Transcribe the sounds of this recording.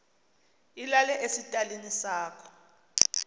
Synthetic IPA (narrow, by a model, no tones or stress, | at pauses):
ilalɛʔesitʼalinisaːkʰɔ̥